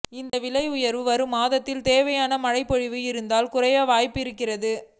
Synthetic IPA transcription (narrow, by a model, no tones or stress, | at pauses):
ɪnd̪ɐʋɪlɐɪʊjɐɾʋɯʋɐɾɯmaːðɐt̪ːɪlt̪eːʋɐjaːnɐmɐɻɐɪpːɔɻɪʋɯɪɾɯnd̪aːlkʊrɐjaːʋaːjpːɪɾɯkːɪrɐðɯ